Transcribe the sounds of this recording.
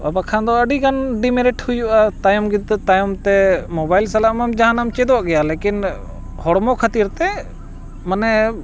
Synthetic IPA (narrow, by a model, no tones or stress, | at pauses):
a̰bakʰãnd̪ɔəɖiɡanɖimiɾɛʈhujuʔat̪ajumɡid̪t̪ajɔmt̪ɛmobajlsalaʔmamd͡ʒaɦanamt͡ʃɛd̪ɔʔɡɛjalɛkin | hɔɽmokʰət̪iɾt̪ɛ | mənɛ